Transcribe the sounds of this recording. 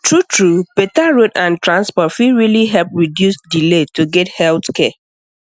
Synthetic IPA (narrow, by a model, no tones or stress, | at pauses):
tʰɹutʰɹub̥etaɹodãntɹãnspɔtfiɹiliɦɛlpɹidjusdiletuɡɛthɛltkɛ